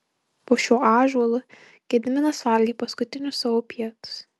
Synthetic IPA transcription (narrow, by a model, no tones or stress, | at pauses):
poːʃʲuːʔɑːʒuɔlˠʊ | ɡʲɛd̪ʲmʲɪnɐsʋɐˑlʲɡʲiːpɐskʊt̪ʲɪnʲʊsɐʋoːpʲiɛt̪ʊ̥s